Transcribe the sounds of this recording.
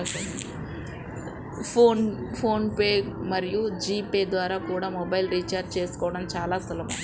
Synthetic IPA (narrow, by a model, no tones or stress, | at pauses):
pʰoːnpʰo̞ːnpeːɡmɐɾijud͡ʒiːpeːd̪ʋaːɾaːkuːɽaːmɔbɐjlɾit͡ʃaːɾd͡ʒt͡ʃe̞ːsu̥kɔːʋɐɽɐmt͡ʃaːlaːsulɐm